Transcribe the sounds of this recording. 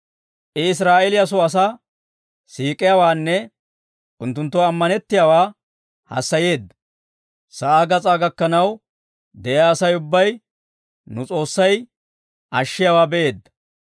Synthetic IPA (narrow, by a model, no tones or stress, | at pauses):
ʔɛɪs̬ɾaːʔɛlɪjɐs̬ɔɐs̬aː | siːkʼɪjaːwaːnːɛ | ʊnt̪ːʊnt̪ːɔɐmːɐnɛt̪ːɪjawaː | hɐ̰sːɐjeːd̪ːɐ | sɐʔaːɡɐt͡sʼaːɡɐkːɐnɐw | d̪ɛjaːsɐjʊbːɐj | nʊt͡sʼo̞ːsːɐj | ʔɐʃːɪjawaːbɛʔe̞ːd̪ːɐ̥